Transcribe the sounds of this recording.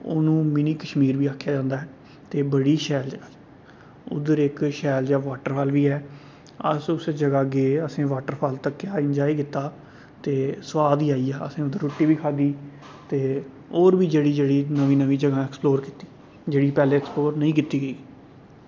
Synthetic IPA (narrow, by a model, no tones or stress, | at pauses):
ʊ̰nũːmɪniːkəʃmiːɾʋiːaːkʰːjaːd͡ʒãːnd̪aːɦɛː | t̪eːbəɽiːʃɛːld͡ʒəɡaːd͡ʒ | ʊ̰d̪əɾɪkʃɛːld͡ʒaːʋaːʈəɾfʰaːlʋiːɛː | ə̰sʊsed͡ʒəɡaːɡeːəsẽːʋaːʈəɾfʰaːlt̪əkːjaːɪnd͡ʒaːiːkɪt̪ːaː | t̪eːsʋaːd̪iːaːiːaːə̰sẽːʊd̪əɾːoːʈːiːʋiːkʰaːd̪iː | t̪eː | oːɾʋiːd͡ʒeːɽiːd͡ʒeːɽiːnəʋiːnəʋiːd͡ʒəɡãːɛksploːɾkit̪iː | d͡ʒeːɽiːpɛːleːɛːksploːɾnəĩːkɪt̪iːɡəiː